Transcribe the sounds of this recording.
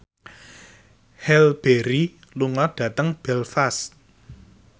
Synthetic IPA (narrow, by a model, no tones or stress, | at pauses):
hɛlb̥eɾi | luŋɔɖ̥ä̤t̪əŋb̥ɛlfast̪̚